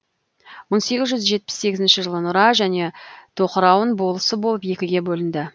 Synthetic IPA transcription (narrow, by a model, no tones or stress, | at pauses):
wonse̞ɡʲɪzʒʏzʒe̞t̪̚pɪ̥sːe̞ɡʲɪzɪnʃɪʒəlˠənʊɾɑʒæne̞t̪ʰo̞qəɾɑwəɴbo̞lˠəsəbo̞lˠəpje̞kʲɪɡʲe̞bɵlɪnd̪ɪ